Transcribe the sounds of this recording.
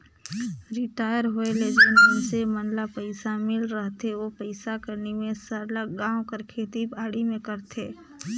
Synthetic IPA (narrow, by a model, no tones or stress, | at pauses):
ɾɪʈaːjəɾɦoeleːd͡ʒənõsemənlapəɪsamɪlɾəɦt̪eʋopəɪsakəɾnemẽsəɾləɡãːwkəɾkʰeːt̪ibaːɽimẽkəɾt̪ʰeː